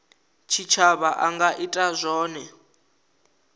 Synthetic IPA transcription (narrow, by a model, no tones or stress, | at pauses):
t͡ʃʰit͡ʃʰaβaʔaŋɡaʔitʼazʷɔːnɛ